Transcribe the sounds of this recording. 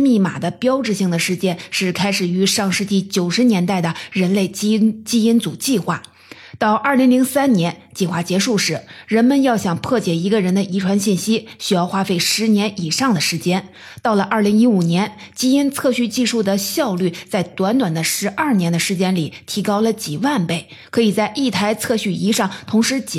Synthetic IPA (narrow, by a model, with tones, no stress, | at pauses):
mi˥˩ma̰˨˩d̪ə˦pjɑ˥ʊʈ͡ʂɻ̩˥˧ɕi˥˩ŋd̪ə˩ʂɻ̩˧˥t͡ɕjɛ˥nʂɻ̩˥˩kʰa˥ɪʂɻ̩˨˩y˧˥ʂɑ˥˧ŋʂɻ̩˥˧t͡ɕi˥˩t͡ɕjo˨˩ʊʂɻ̩˧˥njɛ˧˥nt̪a˥˩ɪd̪ə˩ɻə˧˥nle˥˩ɪt͡ɕt͡ɕi˥i˥nt͡sṵ˨˩t͡ɕi˥˧xwa̰˥˩ | t̪ɑ˥˧ʊʔɐ˞˥˩li˧˥ŋli˧˥ŋsa˥nnjɛ˧˥nt͡ɕi˥˧xwa˥˩t͡ɕjɛ˧˥ʂu˥˩ʂɻ̩˧˥ɻə˧˥nmə˧njɑ˥˩ʊɕjɑ˨˩ŋpʰɤ˥˩t͡ɕjɛ˨˩i˧˥ɡə˧ɻə˧˥nd̪ə˧ʔi˧˥ʈ͡ʂʰwa˧˥nɕi˥˩nɕi˥ɕy˥jɑ˥˧ʊxwa˥fe˥˩ɪʂɻ̩˧˥njɛ˧˥ni˨˩ʂɑ˥˩ŋd̪ə˩ʂɻ̩˧˥t͡ɕjɛ˥n | t̪ɑ˥˩ʊlə˩ʔə˞˥˩li˧˥ŋi˧˥u˨˩njɛ˧˥nt͡ɕi˥i˥nt͡sʰɤ˥˧ɕy˥˧t͡ɕi˥˧ʂu˥˩d̪ə˩ɕjɑ˥˧ʊly˥˩t͡sa˥˩ɪt̪wa˧˥nt̪wa˨˩nd̪ə˦ʂɻ̩˧˥ʔɐ˞˥˩njɛ˧˥nd̪ə˧ʂɻ̩˧˥t͡ɕjɛ˥nli˨˩t̪ʰi˧˥kɑ˥ʊlə˨t͡ɕi˨˩wa˥˧npe˥˩ɪ | kʰɤ˧˥i˨˩t͡sa˥˧ɪʔi˥˩t̪ʰa˧˥ɪt͡sʰɤ˥˧ɕy˥˩i˧˥ʂɑ˥˩ŋt̪ʰʊ˧˥ŋʂɻ̩˧˥t͡ɕ